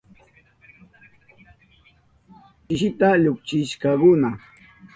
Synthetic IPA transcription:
ɪʃɪt̪aʎʊkt͡ʃɪʃkakʊna

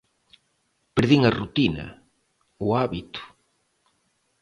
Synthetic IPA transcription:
peɾðiŋɐrut̪inɐ̰ | uaβit̪ʊ̥

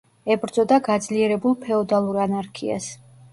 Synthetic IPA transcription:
ɛbɾd̪zʼɔd̪aɡad̪zliɛɾɛbulˠpʰɛɔd̪alˠuɾanaɾkʰḭa̰s

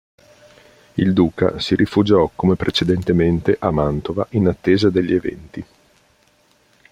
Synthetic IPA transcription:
ild̪uːka̰siɾʔifud͡ʒɔkomepɾʔet͡ʃed̪ent̪ement̪eʔamant̪ovaʔinat̪ːeːzad̪eʎːievɛ̰nt̪i

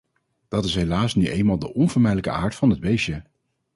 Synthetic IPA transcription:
d̥ɑtɪsɦejlaːsnyʔejnmaːlˠdə̰ʔɔnvəɹmɛjdələkə̰ʔaːɹtfɑnɦədbejʃə

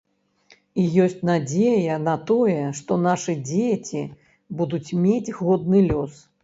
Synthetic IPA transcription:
ijɔsʲt͡sʲnad͡zʲejɐnɐt̪ɔjɛʂt̪ɔnaʂɨd͡zʲet͡sʲi | bud̪ut͡sʲmʲet͡sʲɣɔd̪̚nɨlʲɔs

